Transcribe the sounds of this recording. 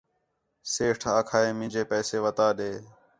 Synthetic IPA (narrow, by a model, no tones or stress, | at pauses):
seːʈʰaːkʰaːeːmɪ̃d͡ʒʱeːpɛːseːʋət̪aːɗeː